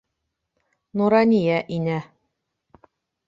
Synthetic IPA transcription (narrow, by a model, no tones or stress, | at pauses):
nuɾɑnʲijæʔinæ